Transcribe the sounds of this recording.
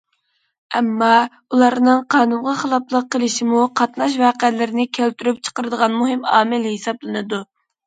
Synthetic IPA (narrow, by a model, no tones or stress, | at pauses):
ɛmːɑ | ulˠɑɾnɨŋqʰɑːnunʁɑχəlˠɑplˠəqːəlˠɪʃimuqʰɑt̪nɑʃ̬vɑːqælɪɾɪnɪkʲʰælt̪yɾyp̚t͡ʃʰə̥qəɾɨd̪əʁɑnmuɦɪmɑ̰ːmɪlhesɑblˠɨnɨd̪u